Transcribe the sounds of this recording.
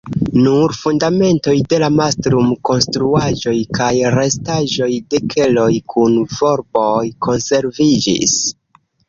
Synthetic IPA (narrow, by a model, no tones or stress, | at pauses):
nuɾfundame̞nto̞jde̞lamastɾumko̞nstɾuaʒo̞jkajɾe̞staʒo̞jde̞kʰe̞lo̞jkʰunvo̞ɾbojkʰo̞nse̞ɾvid͡ʒḭs